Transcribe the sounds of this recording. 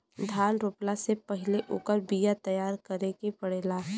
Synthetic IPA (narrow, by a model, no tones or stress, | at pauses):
d̪ʱaːnɾoːplasepɐɦɪleʔʊkəɾbijat̪ɐjaːɾkəɾekepəɽeːlaː